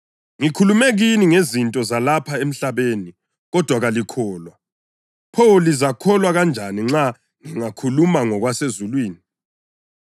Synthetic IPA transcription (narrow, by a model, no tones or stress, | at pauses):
ŋikʰulumeɣiniŋezintʼɔzalapʰaem̩ɬaβeni | ɣɔd̥ʱwaɣalikʰɔːlwa | pʰɔlizakʰɔlwaɣand͡ʒʱaniŋ͡ǁa | ŋiŋakʰulumaŋɔɣwasezulwiːni